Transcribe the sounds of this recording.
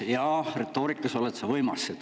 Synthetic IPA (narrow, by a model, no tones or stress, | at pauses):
jɑret̪ːˑo̞ːɾikːˑɑso̞let̪sɑvɤjmɑsːet̪